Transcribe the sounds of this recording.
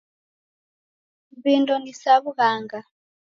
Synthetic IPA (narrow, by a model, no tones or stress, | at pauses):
βindɔnisaβuɣaːŋɡa